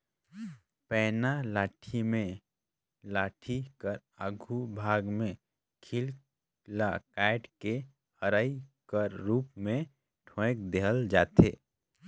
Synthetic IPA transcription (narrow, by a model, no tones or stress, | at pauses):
pɛːnalaːʈʰimẽ | laːʈʰikəɾ | aɡʱubʱaːɡmẽ | kʰil | lakaɪʈke | həɾaːikəɾɾuːpmẽ | ʈʰõek̚d̪eɦəld͡ʒaːt̪ḛː